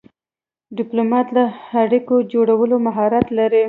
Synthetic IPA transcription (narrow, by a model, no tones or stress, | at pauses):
ɖɪplomɑt̪laaɽikod͡ʒoɽawəlomaɦɑɾat̪laɾi